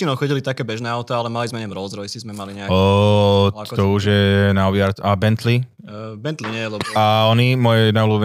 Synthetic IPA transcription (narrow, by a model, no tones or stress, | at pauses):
inɔʊxɔɟilit̪akɛːbɛʒnɛːaʊt̪aalɛmalizmɛɲɛmɾɔzɾɔɛsizmɛmaliɲɛa | t̪ɔuʒjɛnaɔbɪaɾt̪abɛnt̪li | bɛnt̪liɲɛɛlɛaɔnimɔjɛnaulub